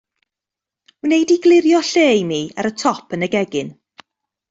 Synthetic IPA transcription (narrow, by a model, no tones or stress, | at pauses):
unejdiɡlˠɪɾjɔɬeːjmiːa̰ɾətʰɔpʰənəɡɛɡɪn